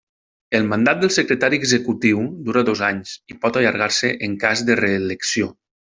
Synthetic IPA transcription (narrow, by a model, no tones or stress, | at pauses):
əlˠmand̪at̪̚d̪əlˠsəkɾət̪aɾiəɡzəkut̪iwd̪uɾadozaɲzipɔt̪aʎəɾɣaɾsəʔəŋkazd̪əreːləksio